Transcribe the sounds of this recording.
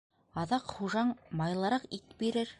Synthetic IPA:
ɑðɑqχuʒɑɴmɑjlˠɑɾɑqit̪biɾɘɾ

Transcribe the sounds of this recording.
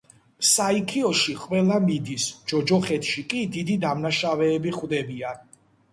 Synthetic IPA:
saikʰiɔʃiqʼwɛlamid̪isd͡ʒɔd͡ʒɔχɛt̪ʰʃikʼid̪id̪id̪amnaʃavɛːbiχwvd̪ɛbian

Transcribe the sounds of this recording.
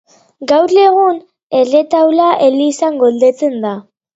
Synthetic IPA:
ɡawɾe̞ɣ̞un | e̞ret̪awlaʔelisaŋɡo̞ld̪e̞t͡se̞nd̪a

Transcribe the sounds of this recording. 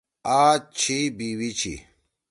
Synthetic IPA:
aːt͡ɕʰibiwit͡ɕʰḭ

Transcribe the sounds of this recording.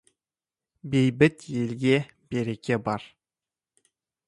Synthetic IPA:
bejbɪt̪jelɡʲe | b̥eɾekʲe̞bɑɾ

